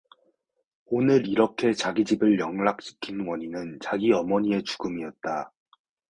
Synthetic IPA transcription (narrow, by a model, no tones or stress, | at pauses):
onɯɾiɾʌkʰe̞t͡ɕaɡid͡ʑibɯɭjʌŋɭak̚ɕ͈ʰi̥kʰinwʌɲinɯnt͡ɕaɡiʌmʌɲie̞t͡ɕuɡɯmiʌt̚t͈a